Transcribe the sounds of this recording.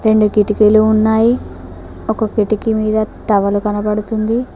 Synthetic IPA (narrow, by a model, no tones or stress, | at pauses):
ɾe̞ɳɖukiʈikeluːnːaːji | okɐkiʈikimiːd̪ɐʈɐʋɐlukɐnɐpɐɽut̪und̪i